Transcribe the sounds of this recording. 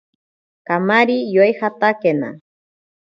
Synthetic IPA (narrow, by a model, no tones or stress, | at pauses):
kamaɾijojxat̪akena̰